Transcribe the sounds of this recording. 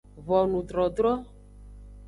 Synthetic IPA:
vɔ˨nũ˨d̪ɾɔ˨d̪ɾɔ˦

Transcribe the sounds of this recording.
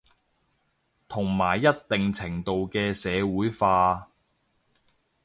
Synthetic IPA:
t̪ʰʊ˨˩ŋmaː˨˩jːɐ˥t̚t̪ɪ˨ŋt͡sʰɪ˨˩ŋt̪o˨wkɛː˧sɛː˨˧wuː˨˥jfaː˧

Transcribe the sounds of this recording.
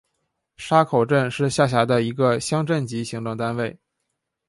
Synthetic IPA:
ʂa˥kʰo˨˩ʊʈ͡ʂə˥˧nʂɻ̩˥˧ɕja˥˩ɕ̬ja˧˥d̪ə˧i˧˥ɡə˧ɕjɑ˥ŋʈ͡ʂə˥˩nt͡ɕi˧˥ɕi˧˥ŋt̪ʊ˥˩ŋt̪a˥nwe˥˩ɪ

